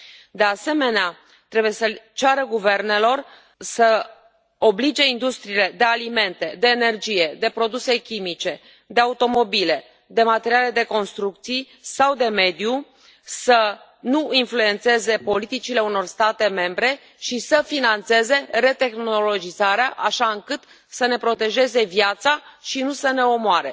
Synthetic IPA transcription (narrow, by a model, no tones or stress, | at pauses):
d̪e̞ase̞me̞nea | t̪ɾe̞buje̞sət͡ʃaɾəɡuve̞rne̞lo̞r | sə | o̞blid͡ʒe̞ind̪ust̪ɾiːle̞d̪e̞alime̞nt̪e̞d̪e̞ːne̞rd͡ʒije̞d̪e̞pɾo̞d̪use̞kʲimit͡ʃe̞ | d̪e̞aut̪o̞mo̞bile̞ | d̪e̞mat̪e̞ɾiale̞d̪e̞ko̞nst̪ɾuk̚t̪sij | sawd̪e̞me̞d̪ju | sə | nuinflue̞nt̪se̞ze̞po̞lit̪it͡ʃileuno̞rst̪at̪e̞me̞mbɾe̞ | ʃisəfinant̪se̞ze̞re̞t̪e̞xno̞lo̞d͡ʒizaɾeaʔaʃaɨŋkɨt̪ | səne̞pɾo̞t̪e̞ʒe̞ze̞vjat̪saʃinusəne̞o̞moaɾe̞̰